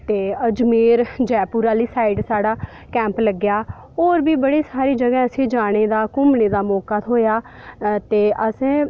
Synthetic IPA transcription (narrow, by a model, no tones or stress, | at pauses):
t̪eːəd͡ʒmeːɾd͡ʒɛːpuːɾaːliːsaːiɖsaːɽaː | kɛ̃ːmpləɡjaː | oːɾbiːbəɽiːsaːɾiːd͡ʒəɡɛ̃ːəsĩːd͡ʒaːɽ̃eːd̪aːkʊmneːd̪aːmɔːkaːt̪ɦoːjaː | t̪eːʔəsẽː